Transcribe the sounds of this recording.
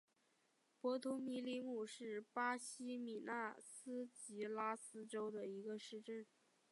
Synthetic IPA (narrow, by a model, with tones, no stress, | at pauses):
pwɔ˧˥t̪ʰu˧˥mi˧˥li˧˥mu˨˩ʂɻ̩˥˩pa˥ɕi˥mi˨˩na˥˩sɹ̩˥t͡ɕi˧˥la˥sɹ̩˥ʈ͡ʂo˥ʊd̪ə˨i˧˥ɡə˧ʂɻ̩˥˧ʈ͡ʂə˥˩n